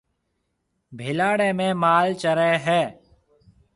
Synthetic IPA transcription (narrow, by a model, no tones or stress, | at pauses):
bʱɪlaːɽẽːmẽːmaːlt͡ʃəɾeːɦɛː